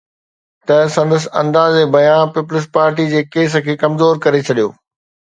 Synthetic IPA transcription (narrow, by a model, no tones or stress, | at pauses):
t̪ɐsɐ̃nd̪əs̬ɪ̆ɐ̰̃nd̪aːzebɐjãːnpiːpʊlɪs̬paːɾʈ̬id͡ʑeːkeːs̬ə̆kʰeːkɐmzoːɾkɐɾet͡ɕʰɐɗijo̰ː